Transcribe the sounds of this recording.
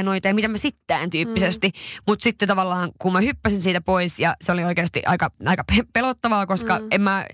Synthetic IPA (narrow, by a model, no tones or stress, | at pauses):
noit̪ɑjɑmit̪æmæsit̪ːæːnt̪yːpːisest̪imut̪sit̪ːet̪ɑʋɑlːɑːŋkummæhypːæsinsiːt̪æpoisjɑseolioikeːst̪ḭʔɑ̰ikɑɑikɑpepelot̪ːɑʋɑːkoskɑemmæ